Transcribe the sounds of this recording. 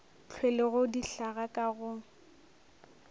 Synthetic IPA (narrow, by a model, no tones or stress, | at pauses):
t͡ɬʰwɛlɪɣʊdiɬaɣakʼaɣʊ